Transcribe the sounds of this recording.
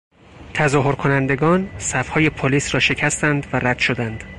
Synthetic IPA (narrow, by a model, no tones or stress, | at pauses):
t̪ʰæzɒːɦoɾkʰo̞nænd̪e̞ɡɒːnsæfhɒːje̞pʰoliːsɾɒːʃe̞cʰæst̪ænd̪væɾæd̪̥ʃod̪ænd̪̥